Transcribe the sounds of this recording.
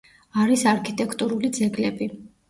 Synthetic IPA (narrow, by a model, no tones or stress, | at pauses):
aɾisaɾkʰit̪ʼɛkʰt̪ʼuɾulid̪zɛɡlɛbi